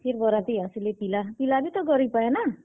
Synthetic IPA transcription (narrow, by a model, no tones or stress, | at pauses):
pʰerbʌɾat̪iʌsilepilapilabit̪ʌɡʌɾipaenʌ